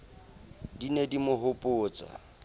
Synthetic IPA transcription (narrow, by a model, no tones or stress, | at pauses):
dinedimʊɦʊpʼʊːt͡sʼa̰